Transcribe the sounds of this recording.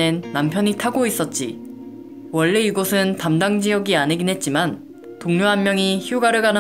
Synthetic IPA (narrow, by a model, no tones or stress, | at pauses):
enːampʰjʌɲitʰaɡois͈ʌt̚t͡ɕ͈i | wʌɭːe̞iɡosʰɯntamdaŋd͡ʑijʌɡianeɡinɦe̞t̚t͡ɕ͈iman | toŋɲoɦanmjʌŋiçjuɡaɾɯɭɡanɯ